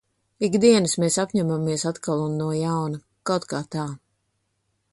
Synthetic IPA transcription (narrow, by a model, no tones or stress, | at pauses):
iɡd̪iɛnɨsmeːsapɲamamiɛsat̪kalˠunːuɔjawnɐ | kawt̪kaːt̪aː